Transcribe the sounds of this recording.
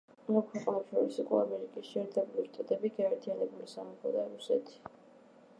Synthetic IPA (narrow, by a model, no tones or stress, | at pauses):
akʰwɛqʼanapʃɔɾisukʼɔamɛɾikʼisʃiɛɾt̪ʰɛbuɾiʃt̪ʼat̪ʼɛbiɡaɛɾt̪ʰijanɛbulisamɛkɔ̰d̪aɾusɛ̰t̪ʰi̥